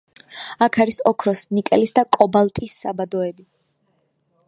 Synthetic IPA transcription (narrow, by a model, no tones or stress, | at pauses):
akʰaɾisɔkʰɾɔsnikʼɛlisd̪akʼɔbalˠt̪ʼisːa̰bad̪ɔɛbi